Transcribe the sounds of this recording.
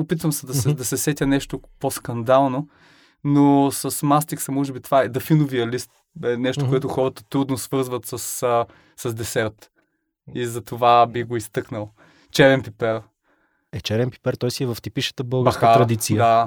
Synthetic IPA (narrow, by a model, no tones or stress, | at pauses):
opit̪vəmsɐd̪ɐsɛd̪ɐsɛsɛt̪ʲənɛʃt̪oposkɐnd̪alˠno | nosɐsmast̪iksɐmɔʒɛbit̪ovaɛd̪ɐfinoviɐlist̪ | ɛnɛʃt̪okoɛt̪ʊxɔɾət̪ət̪ɾud̪nosvɤɾzvət̪sɐs | sɐzd̪ɛsɛɾt̪ | izɐt̪ovabixɡoist̪ɤknəlˠ | t͡ʃɛɾɛnpipɛɾ | ɛt͡ʃɛɾɛnpi̥pɛɾt̪ɔjsiɛvɐft̪ipiʃə̥t̪əbɤlˠɡskaɾɐd̪it̪siəd̪a